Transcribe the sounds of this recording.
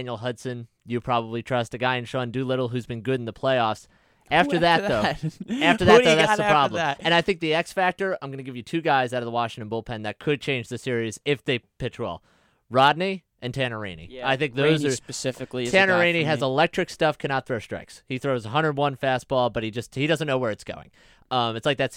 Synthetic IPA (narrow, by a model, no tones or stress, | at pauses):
njl̩ˠɦʌdsɨ̃n | jɨpʰɹ̥ɑβəblitʰɹ̥ʌstɨɡaɪɨ̃nʃoʊɨ̃ndɨlɪɾl̩ˠɦʉzbɨ̃nɡʊɾn̩ðəpʰl̥eɪɔfs | æftə˞ðɨt̚ðoʊæftə˞ðtðoʊððæsðəpʰɹ̥ɑblə̃mɨ̃ñaɪθɪ̃ŋk̚ðiɛksfæk̚tə˞ãɪ̃mɡʌnɨɡɪvjɨtʰʉɡaɪzaʊɾʌvðəwɑʃɪ̃ŋtɨ̃nbʊlˠpʰɛ̃nðɨt̚kʰɨd̚t͡ʃʰẽɪ̃nd͡ʒðɨsɪɹizɪfðeɪpʰɪt͡ʃʰɹɔ̰lˠ | ɹɑdⁿni | ʔɨ̃ntʰæ̃ñə˞ḛ̃ɪ̃nḭaɪθɪ̃ŋk̚ðoʊzə˞spɨsɪfɨklitʰæ̃nə˞ẽɪ̃ñiɨzəlɛk̚t͡ʃɹ̥ɨkstʌfkʰɨ̃nɑt̪̚θɹoʊstɹ̥a̰ɪkshiθɹoʊzəɦʌ̃ndɹəd̚wʌ̃nfæst̚b̥ɔlˠbʌt̚hid͡ʒʌsthiɾʌzɨ̃nːoʊwə˞ɨtsɡ̥o̰ʊɪ̰̃ŋ | ʌ̃mɨtslaɪk̚ðæts